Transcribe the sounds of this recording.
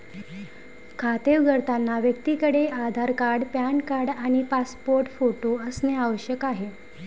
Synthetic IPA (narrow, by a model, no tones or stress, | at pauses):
kʰat̪eʋɡəɾt̪anːaʋjək̚t̪iːkəɽead̪ʱaɾkaɾɽpjankaɾɽaɽ̃ipaspoɾʈfoʈoəsneaʋəɕjəkaɦe